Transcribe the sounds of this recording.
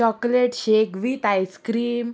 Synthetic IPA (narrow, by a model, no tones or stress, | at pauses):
ɔkleʈɕekʋit̪ajskɾiːm